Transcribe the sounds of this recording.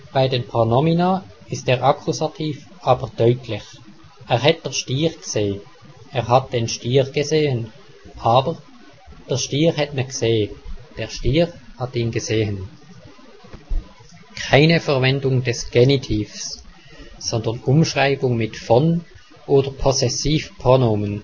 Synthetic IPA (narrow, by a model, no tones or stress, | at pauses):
b̥aɪdenpʁonɔminaː | ɪsteːʁʔɑkʰusatʰiːf | ʔɑːb̥əʁd̥œʏtʰlɪç | ʔeːʁɦɛt̚d̥ɛɐʃtiːʁɡ̥z̥eː | eːʁɦɑt̚d̥enʃtiːʁɡ̥əzeːən | ʔɑːbəʁ | d̥ɛʃtiːʁhɛtnɛkseːd̥eːɐʃtiːʁhɑtiːnɡəzeːən | kʰaɪnəfɛɐvɛndʊŋdɛsɡ̥ɛnitʰiːfs | sɔndənʊmʃʁaɪbʊŋmɪtfɔn | ʔoːdəpʰɔsɛsiːfpʁonoːmən